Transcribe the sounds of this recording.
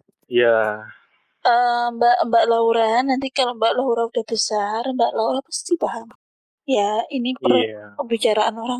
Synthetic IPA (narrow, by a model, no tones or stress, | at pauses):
ja | əmbaʔmbaʔlauɾanːant̪ikalombaʔlauɾaudahbəsarmbaʔlauɾanpḁst̪ibaɦam | jainipərkəbit͡ʃaɾaʔanoɾaŋ